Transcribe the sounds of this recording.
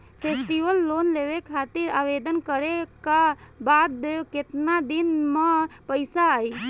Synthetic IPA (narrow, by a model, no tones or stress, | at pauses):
pʰesʈiʋəlːonleʋekʰat̪iɾaːʋed̪ənkəɾekabat̪d̪ejoket̪nad̪inmepəɪsaːi